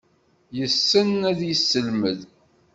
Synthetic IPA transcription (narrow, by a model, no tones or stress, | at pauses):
jəsːənæðjəsːəlməð